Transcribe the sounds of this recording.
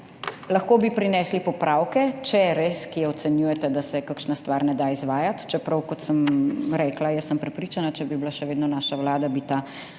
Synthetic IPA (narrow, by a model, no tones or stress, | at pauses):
laxkoːbipɾinɛːslipɔpɾawkɛt͡ʃɛɛɾeskijɛɔt̪sɛnjujɛt̪ɛd̪asɛkakʃnast̪ʋaːɾnɛd̪aizʋaːjat̪t͡ʃɛpɾɐwkɔt̪səmɾɛklajəsːəmpɾɛpɾit͡ʃanat͡ʃɛbiblaʃɛʋeːd̪nɔnaːʃawlaːd̪abit̪a